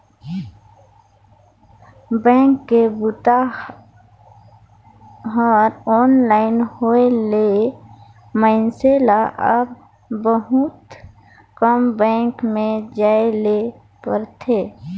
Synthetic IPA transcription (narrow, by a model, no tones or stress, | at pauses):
bɛ̃ːŋkːebʊt̪a | ɦɔːɾɔːnlaːɪnhoele | məɪnselaʔəb | bəɦʊt̪ | kəmbɛ̃ːŋkmẽd͡ʒaːele | pə̰ɾt̪ʰeː